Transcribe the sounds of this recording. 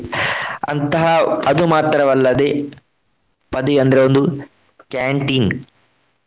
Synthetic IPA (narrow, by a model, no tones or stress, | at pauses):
ɐ̰nt̪ɐɦapɐd̪umaːt̪ɾɐʋɐlːɐd̪eː | pɐd̪iɐnd̪ɐɾeund̪u | kaːɳʈiːn